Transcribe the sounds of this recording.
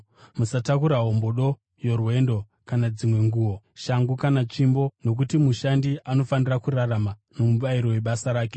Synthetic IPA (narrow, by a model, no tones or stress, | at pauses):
musatakuɾaɦomboɗo̞ | jo̞rwe̞ndo̞ | kanad͡zimwe̞ŋɡuːwo | ʃaŋɡukanat͡ʃimbo̞no̞k̬utimuʃandiʔano̞fanirakuraramano̞muɓaiɾo̞we̞ɓasaɾaːke̥